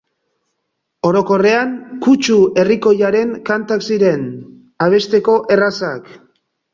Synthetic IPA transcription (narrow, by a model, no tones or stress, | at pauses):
o̞ɾo̞ko̞re̞aŋkut͡ʃue̞riko̞jaɾe̞ŋkant̪aksiɾe̞n | aβ̞e̞st̪e̞ko̞ʔe̞rasak